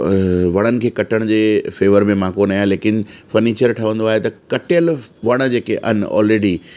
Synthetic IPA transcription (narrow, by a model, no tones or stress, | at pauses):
ʋɐɽ̃ənɪ̆kʰeːkɐʈəɽ̃d͡ʑeːfeːʋəɾmẽmãːkoːnaːɦjaleːkɪnfɐɾniːt͡ɕəɾʈʰɐʋə̃nd̪oaːɦet̪ɐkɐʈɪjəlʋɐɽ̃d͡ʑeːkeʔɐ̰ɦnɔ̰ːlɾeːɖi